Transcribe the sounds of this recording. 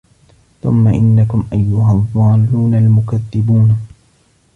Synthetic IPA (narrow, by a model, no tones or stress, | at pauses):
θʊ̰mːaʔɪnːakʊmʔajːʊɦaðˤːɑːlːuːnalmʊkaðːɪbuːn